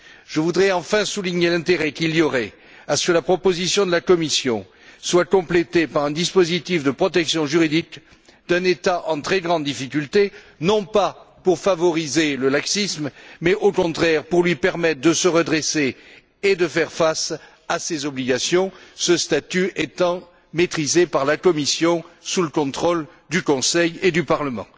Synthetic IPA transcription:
ʒ̥əvud̪ʁɛɑ̃fɛ̃suliɲelɛ̃t̪eʁɛkilijɔʁɛ | asə̥kəlapχɔpozisjɔ̃d̪əlakɔmisjɔ̃ | swakɔ̃plet̪epaʁɛ̃d̪ispozit̪ifd̪əpχɔt̪ɛksjɔ̃ʒyʁid̪ik | d̪ɛ̃net̪aʔɑ̃t̪χɛɡʁɑ̃d̪d̪ifikʲylt̪e | nɔ̃papuʁfavɔʁizeləlaksismmɛʔokɔ̃t̪χɛʁpuʁlɥipɛʁmɛt̪̚d̪əsəʁəd̪ʁese | ed̪əfɛʁfas | asezɔbliɡasjɔ̃səst̪at̪yet̪ɑ̃ | met̪χizepaʁlakɔmisjɔ̃suləkɔ̃t̪χɔl | d̪ykɔ̃sɛjed̪ypaʁləmɑ̰̃

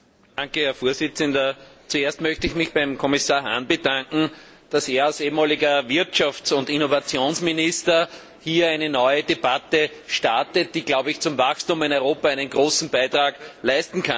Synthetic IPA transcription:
daŋkəhɛɐfoːɐzɪt͡səndɐt͡sueɐstmœçtəɪçmɪçbæɪmkʰɔmɪsaːɐɦa̰nb̥ədãŋkŋ̩ | d̥aseːɐalseːmaːlɪɡɐvɪɐtʃaft͡sʊndɪnovat͡sjoːnsmɪnɪstɐ | hiːɐæɪnənɔʏədeb̥atəʃtaɐtət̚d̥iːɡ̥laʊbəɪçt͡sʊmvaxstũmɪnɔʏʁoːpaæɪnənɡ̥ʁoːsn̩b̥æɪtʁaːɡ̥læɪstn̩kʰa

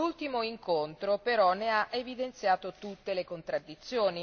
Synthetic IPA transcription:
ult̪imoiŋkont̪ɾopeɾɔnːeaʔevid̪ent̪sjaːt̪ot̪ut̪ːelekont̪ɾad̪ːit̪sːjoːni

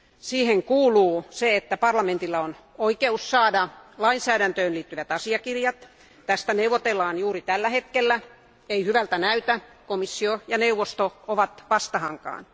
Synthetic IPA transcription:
siːheŋkuːluːseet̪ːæpɑrlɑment̪ilːɑon | oikeussɑːdɑlɑinsæːdænt̪øːnliːt̪ːyʋæt̪ɑsiɑkirjɑt̪ | t̪æst̪æneuʋˑot̪elːɑːnjuːrit̪ælːæhet̪kelːæ | eihyʋælt̪ænæyt̪ækomisːiojɑneuʋːˑost̪ooʋɑt̪ʋɑst̪ɑhɑŋkɑ̰ːn

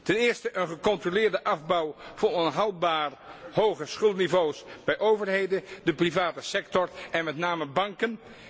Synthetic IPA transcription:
tɛnɪːɹstəʔənχəkɔntrolɪːɹdəʔɑvbɑwvʊːnɔnɦɑwlˠbaːɹɦowχəsχɵlˠtnivowsb̥ɛjʔowvəɹɦejdədəprivaːtəsɛk̚tɔɹɛnmɛtnaːməbɑŋkən

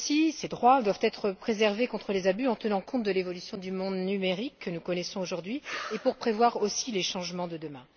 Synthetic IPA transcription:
sised̪ʁwad̪wavt̪ɛt̪χəpχezɛʁvekɔ̃t̪χəlezabyɑ̃t̪ənɑ̃kɔ̃t̪̚d̪əlevɔlysjɔ̃d̪ymɔ̃d̪nymeʁikʰːənukɔnɛsɔ̃oʒuʁd̪ɥiepuʁpχevwaʁosileʃɑ̃ʒmɑ̃d̪əd̪əmɛ̃

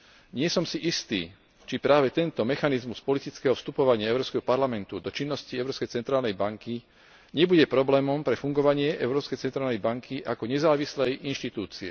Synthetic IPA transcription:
ɲɪɛsɔmsiʔist̪ḭː | t͡ʃipɾaːʋɛt̪ɛnt̪ɔmɛxanizmuspɔlit̪it͡skɛːɦɔfst̪upɔʋaɲɪaɛʊɾɔːskɛɦɔpaɾlamɛnt̪ud̪ɔt͡ʃinːɔsciɛʊɾɔːpskɛjt͡sɛnt̪ɾaːlnɛjbaŋki | ɲɛbuɟɛpɾɔblɛːmɔmpɾɛfuŋɡɔʋaɲɪɛʔɛʊɾɔːpskɛjt͡sɛnt̪ɾaːlnɛjbaŋkʰiʔakɔɲɛzaːʋislɛjinʃt̪it̪uːt͡siɛ

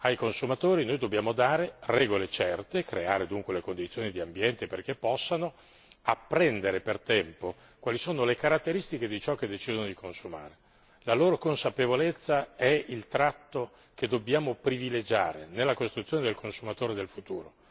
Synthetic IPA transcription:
ajkonsumat̪oːɾinojd̪objaːmod̪aːɾerɛːɡolet͡ʃɛrt̪ekɾeaːɾed̪uŋkwelekond̪it̪sjoːnid̪iambjɛnt̪eperk̟epːɔsːano | apːɾɛnd̪eɾepert̪ɛmpo | kwalisoːnolekaɾat̪ːeɾist̪ik̟ed̪it͡ʃɔkːed̪ːet͡ʃiːd̪onod̪ikʰonsuma̰ːɾe | laloːɾokonsapevolet̪sːaɛilt̪ɾat̪ːo | ked̪objaːmopɾiviled͡ʒa̰ːɾḛnelːakost̪ɾut̪ːjoːned̪elkʰonsumat̪oːɾed̪elfut̪uːɾo

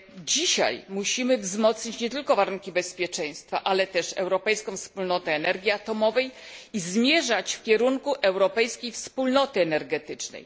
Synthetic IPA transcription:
d͡ʑiɕa̰jmuɕimɘvzmɔt̪sɲit͡ɕɲɛt̪ɘlkɔvaɾuŋkʲibɛspʲjɛt͡ʂɛj̃st̪fa̰ʔalɛt̪ɛʂɛ̰wɾɔpɛjskɔ̃w̃fspulnɔt̪ɛːnɛɾɡʲjiat̪ɔmɔvɛjizmʲjɛʐat͡ɕfkʲɛɾuŋkuʔɛwɾɔpɛjskʲejfspulnɔt̪ɘɛnɛɾɡɛt̪ɘt͡ʂnɛ̰j

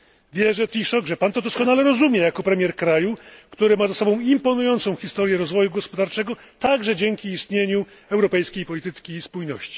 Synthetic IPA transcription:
vʲjɛʐɛt̪ʲiʂɔɡʐɛpant̪ɔd̪ɔskɔnalɛɾɔzumʲjɛjakɔpɾɛmʲjɛɾkɾajukt̪uɾɘmazasɔbɔ̃w̃impɔnujɔnt̪sɔ̃w̃xʲist̪ɔɾjɛɾɔzvɔjuɡɔspɔd̪aɾt͡ʂɛɡɔ | t̪aɡʐɛd͡ʑɛŋkʲiːst̪ɲeɲu | ɛwɾɔpɛjskʲejpɔlʲit̪ɘkʲiːspujnɔ̰ɕt͡ɕi̥

